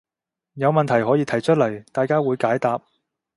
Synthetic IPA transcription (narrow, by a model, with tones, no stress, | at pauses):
jɐ˨˧wmɐ˨nt̪ʰɐ˨˩jɦɔː˨˥jiː˨˧t̪ʰɐ˨˩jt͡ʃʰɵ˥t̚lɐ˨˩jt̪aː˨jkaː˥wuː˨˧jkaː˨˥jt̪aː˨p̚